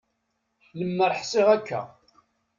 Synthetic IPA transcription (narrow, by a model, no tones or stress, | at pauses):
θləmːəɾˤħsɪʁækːæ̰